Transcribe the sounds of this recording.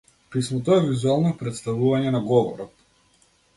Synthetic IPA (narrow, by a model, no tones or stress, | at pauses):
pismɔt̪ɔɛvizualˠnɔpɾɛt̪st̪avuvaɲɛnaɡɔvɔɾɔt̪